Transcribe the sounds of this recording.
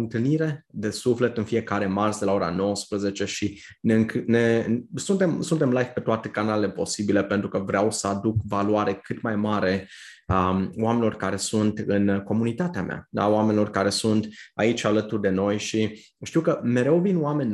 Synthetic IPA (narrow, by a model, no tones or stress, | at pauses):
ɨnt̪ɨlniɾe̞d̪e̞sufle̞t̪ɨnfie̞kaɾe̞marsd̪elao̞ɾa̰no̞wəspɾəze̞t͡ʃe̞ʃi | neɨŋknesunt̪e̞msunt̪e̞mlajvpe̞t̪oat̪e̞kanalele̞po̞sibile̞pe̞nt̪ɾukəvɾeawsəad̪ukvaluaɾe̞kɨt̪majmaɾe̞ | aoame̞nilo̞rkaɾe̞sunt̪ɨnko̞munit̪at̪eamea̰a̰owame̞nʲilo̞rkaɾe̞sunt̪ait͡ʃʲalət̪urd̪e̞no̞jʃi | ʃt̪iwkəme̞ɾe̞wvinoame̞nʲ